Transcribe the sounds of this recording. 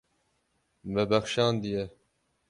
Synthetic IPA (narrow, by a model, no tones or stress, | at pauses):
mɛbɛxʃɑːnd̪ijɛ